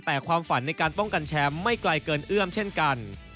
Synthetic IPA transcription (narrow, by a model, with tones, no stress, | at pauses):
t̪ɛː˨˩kʰwaː˧mfa˩˦nːa˧jkaː˧nt̪ɔ˥˩ŋka˧nt͡ɕʰɛː˦˥mːa˥˩jkla˧jkɤː˧nʔɯ˥˩əmt͡ɕʰe˥˩nka˧n